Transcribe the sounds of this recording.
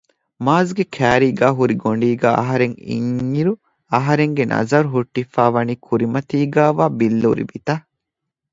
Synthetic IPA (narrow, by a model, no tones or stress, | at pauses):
maːzɡekʰæːɾiːɡæːɦuɾiɡoɳ̆ɖiːɡæːɐɦɐɾeŋḭŋːiɾu | ɐɦɐɾeŋɡenʔɐ̰zɐɾuɦuʈːifaːʋɐniːkʰuɾimɐt̪iːɡaːʋaːbilːuɾḭbit̪ɐ